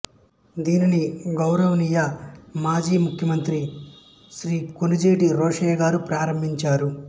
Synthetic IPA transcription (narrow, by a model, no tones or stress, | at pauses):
d̪iːniniɡɐwɾɐʋɐnijɐmaːd͡ʒiːmukʰjɐmɐnt̪ɾi | ʃɾiːkonid͡ʒeːʈiɾɔːʂɐjɡaːɾupɾaːɾɐmbʱiɲt͡ʃaːɾu